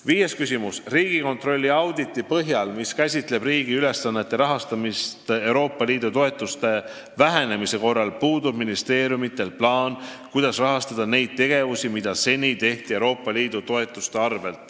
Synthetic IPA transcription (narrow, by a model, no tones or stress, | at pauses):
viːje̞skysʲimusriːɡ̥iko̞nt̪ro̞lʲːiɑwd̪it̪ːˑipɤɦjɑlmiskæsʲit̪ˑle̞briːɡ̥iyle̞sːɑnːe̞t̪ːˑe̞ɾɑɦɑst̪ɑmist̪e̞wɾo̞ːpːˑɑliːd̪̥ut̪o̞e̞t̪ːˑust̪e̞ | væɦene̞mise̞ko̞rːɑlpuːd̪ub̥minist̪e̞ːɾjumit̪ːˑe̞lplɑːnkujd̪̥ɑsrɑɦɑst̪ɑd̪̥ɑne̞jd̪̥̚t̪ːe̞ɡ̥e̞vusimid̪̥ɑse̞nʲit̪e̞ht̪ie̞wɾo̞ːpːˑɑliːd̪ut̪o̞e̞t̪ːˑust̪eɑrve̞lt̪ˑ